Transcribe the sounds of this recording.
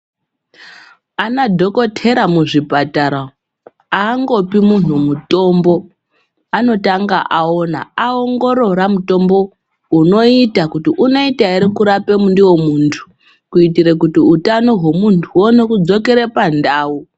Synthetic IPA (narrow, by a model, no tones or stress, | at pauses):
anadʱo̞ko̞tʰe̞ɾamuʐipataɾa | aːŋɡo̞pimun̤umuto̞mbo̞ | ano̞taŋɡa̰ʔao̞na̰aoŋɡo̞ɾo̞ɾamuto̞mbo̞ | uno̞itakutiʔuno̞itaeɾikuɾape̞mundiwo̞muntʰu̥ | kuitiɾekutiutano̞ɦwomuntʰuwo̞no̞kud͡zo̞ke̞ɾepandaːu